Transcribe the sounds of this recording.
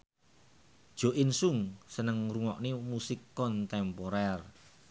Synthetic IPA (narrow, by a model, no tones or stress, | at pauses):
d̥ʒ̥o̤ʔɪnsuŋsənəŋruŋɔʔnemusikːɔnt̪ɛmpoɾɛr